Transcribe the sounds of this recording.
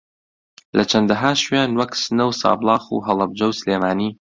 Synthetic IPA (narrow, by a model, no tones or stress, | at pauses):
lʔɐt͡ʃʰɐnd̪ɐɦaːʃujaːnwɐksɨnɐwsɑ̰ːblˠɑːxṵːɦɐlˠɐb̚d͡ʒɐwsleːmaːniː